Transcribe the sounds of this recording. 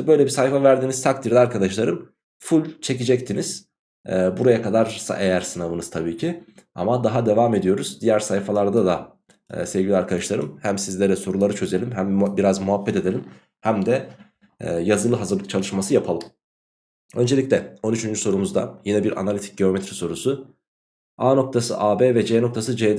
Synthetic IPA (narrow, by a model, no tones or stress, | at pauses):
bø̞jlʲɛbisahifavæɾd̪iːnizt̪ʰak̚t̪ʰiɾd̪ɛaɾkʰad̪aʃlˠaɾɯm | fulʲt͡ʃʰe̞cid͡ʒɛc̚t̪ʰiniz̥ | ɛːbuɾajakʰad̪aɾsa̰ʔejæɾsɯnavɯnɯz̥t̪ʰabiːcʰia̰mad̪aɦad̪e̞vaːme̞d̪ijo̞ɾuzd̪ijæɾsaifalˠaɾd̪ad̪a̰ː | sevɟilʲiaɾkʰad̪aʃlˠaɾɯ̰mhæmsizlʲeɾɛso̞ɾulˠaɾɯt͡ʃʰø̞ze̞lʲimɦæmbiɾazmuɦabːɛt̪e̞d̪eim | hæmd̪ɛ | jazɯlˠɯɦazɯɾlˠɯk̚t͡ʃʰalˠɯʃmasɯjapʰalˠɯm | ø̞nd͡ʒeiclʲɛo̞nyt͡ʃʰynd͡ʒyso̞ɾumuzd̪a̰jinɛbiɾʔa̰nalʲit̪ʰi̥c̚ɟeo̞mɛt̪ʰɾiso̞ɾusu | aːno̞k̚t̪ʰasɯ̰ʔaːbeːvɛd͡ʒeno̞k̚t̪ʰasɯd͡ʒed̪